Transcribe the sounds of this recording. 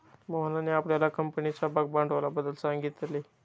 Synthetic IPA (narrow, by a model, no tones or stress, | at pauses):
məɦənaneapljalakəmpənit͡ɕabak̚baɳɖʋalabəd̪ːəlsaŋɡit̪le